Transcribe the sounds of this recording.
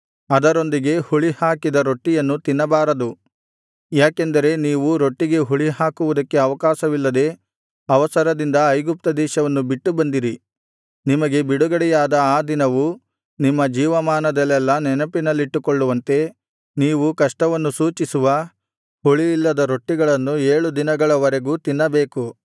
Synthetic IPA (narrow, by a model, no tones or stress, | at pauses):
ɐd̪ɐɾo̞nd̪iɡe̞huɭihaːkid̪ɐɾo̞ʈːijɐnːut̪inːɐbaːɾɐd̪u | jaːkend̪ɐɾe̞niːʋuɾo̞ʈːiɡe̞ɦuɭiɦaːkuʋud̪ɐkːe̞ɐʋɐkaːʃɐʋilːɐd̪e̞ | ɐʋɐsɐɾɐd̪ind̪ɐːjɡup̚t̪ɐd̪ɛːʃɐʋɐnːubiʈːubɐnd̪iɾi | nimɐɡe̞biɽuɡɐɽɛjaːd̪ɐaːd̪inɐʋu | nimːɐd͡ʒiːʋɐmaːnɐd̪ɐlːɛlːɐnɛnɐpinɐlːiʈːukoɭːuʋɐnt̪e̞ | niːʋukɐʂʈɐʋɐnːusuːt͡ʃisuʋɐ | huɭijːlːɐd̪ɐɾo̞ʈːiɡɐɭɐnːueːɭud̪inɐɡɐɭɐʋɐɾe̞ɡuːt̪inːɐbeːku